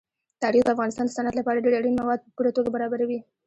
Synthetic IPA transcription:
t̪ɑɾixd̪əafɣɑnɪst̪ɑnd̪əsanad̪lapɑɾaɖeɽaɽinmawɑd̪̚pəpuɽat̪oɡabaɾɑbaɾawi

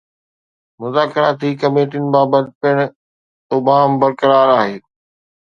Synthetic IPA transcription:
mʊzaːkɪɾaːt̪ʰiːkɐmeːʈ̬inɪ̆baːbət̪̚pɪɽ̃ | ʊbaːmbɐɾkəɾaːɾaːɦeː

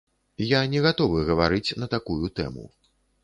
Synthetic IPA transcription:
janʲɛɣat̪ɔvɨɣɐvaɾɨt͡sʲnɐt̪akujut̪ɛ̰mṵ

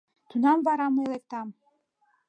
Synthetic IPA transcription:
t̪ʰunɑmbɑɾɑmɤelˠek̚t̪ɑm

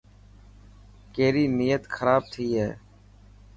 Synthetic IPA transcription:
keːɾiːniːjət̪xʰəɾaːb̚t̪ʰiːɦɛː

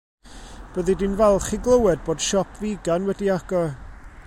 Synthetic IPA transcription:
b̥əðidinvɛlˠχiɡlˠəwɛd̚boːd̥ʃɔpʰviɡanwɛdiaɡ̥ɔ

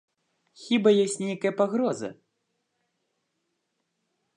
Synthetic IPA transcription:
xʲibajɔsʲnʲɛjkɐjɐpaɣɾɔzɐ̰

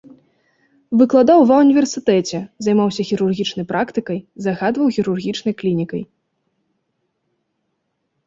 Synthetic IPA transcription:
vɨklˠad̪awvɐwnʲivʲɛrsɨt̪ɛt͡sʲɛzajmawsʲɐxʲiɾurɣʲit͡ʂnɐjpɾʔakt̪ɨkɐjzaɣad̪vɐwxʲiɾurɣʲit͡ʂnɐjklʲinʲikɐ̰j

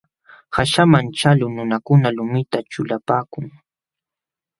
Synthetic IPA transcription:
haʃamant͡ʃalʊnʊnakʊnalʊmɪt̪at͡ʃʊlapaːkʊŋ

